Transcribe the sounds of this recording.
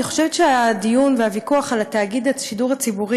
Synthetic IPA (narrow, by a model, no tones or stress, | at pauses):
iχo̞̥ʃevetʃeadijunvehavikuaχalataɡid̪etʃiduʁat͡sibuʁi